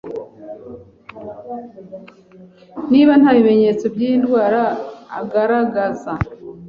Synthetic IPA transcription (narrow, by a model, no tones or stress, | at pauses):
niːβanhaβime̞ɲe̞t͡sobjindɡwaːɾa̰ːɡaɾaɡaza